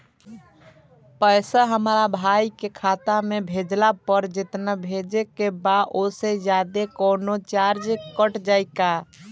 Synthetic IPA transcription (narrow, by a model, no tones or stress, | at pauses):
pəjsəɦəmɾabʱajkekʰat̪amebʱed͡ʒlapəɾd͡ʒɪt̪nəbʱed͡ʒekebaʔosed͡ʒjad̪ekənot͡ʃaɾd͡ʒkəʈd͡ʒaɪka